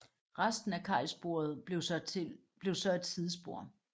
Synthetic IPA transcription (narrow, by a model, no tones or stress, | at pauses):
ʁasd̥n̩ækʰɑ̰̈ɪ̰sb̥o̝̰ːɐð̞̩̥ˠʊ | b̥le̝ʊsɒ̽e̝d̥sið̞ˠsb̥o̝ɐ̰